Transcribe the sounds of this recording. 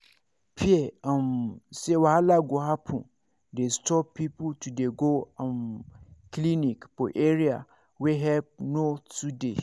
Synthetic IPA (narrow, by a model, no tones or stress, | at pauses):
pʰiɛãmsewaalaɡoɦapʰʊ̃ | destɔppːipʰutʰudeɡoãnklĩnĩkpɔʔeɾia | wɛɦɛlp̚notudḛ